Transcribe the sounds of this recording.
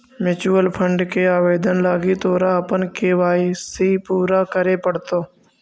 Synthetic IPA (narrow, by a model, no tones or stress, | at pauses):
mɪt͡ʃuːəlpʰə̃ɳɖkeaːʋeːd̪ənlaːɡit̪oːɾaəpənkeːʋaːisepuːɾakəɾepəɽt̪oː